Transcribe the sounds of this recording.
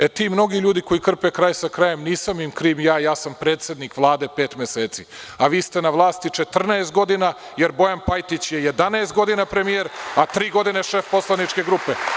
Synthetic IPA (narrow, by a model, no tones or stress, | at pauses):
et̪iːmno̞ɡiʎuːd̪iko̞jikr̩pekɾaːjsakɾajemniːsamimkɾiːmjaːjaːsampɾeːt̪se̞d̪nikʋlˠaːd̪e̞pe̞ːt̪meseːt̪si | aʋiːst̪e̞naʋlˠaːst̪it͡ʂe̞t̪r̩naest̪̚ɡo̞d̪ina | je̞ɾbo̞janpajt̪it͡ɕjejed̪anaest̪ɡo̞d̪inapɾe̞mijeɾat̪ɾiːɡo̞d̪ineʃe̞fpo̞slˠanit͡ʃke̞ɡɾupe